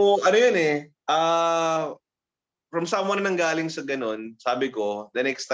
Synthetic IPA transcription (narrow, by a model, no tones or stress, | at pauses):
oʔɐnojonɛ | ʔaː | fɹɐmsamwɐnɐnɐŋɡaːlɪŋsɐɡɐno̞nsaːbɪko̞d̪ɐnɛkst̪a